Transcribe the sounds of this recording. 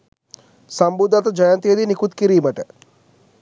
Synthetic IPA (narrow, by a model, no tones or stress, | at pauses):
sɐmbud̪ʱːat̪əd͡ʒɐjant̪ijəd̪inikut̪kiɾiːməʈə